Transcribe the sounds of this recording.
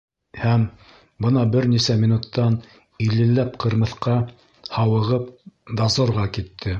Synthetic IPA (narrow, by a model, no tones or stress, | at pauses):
hæm | bɤnɑbɘɾnisæmʲinut̪ːɑn | ilɘ̆lːæp̚qɤ̆ɾmɤ̆θqɑ | hɑwɤ̆ʁɤpd̪ɑzŏɾʁɑkit̪ʰːɘ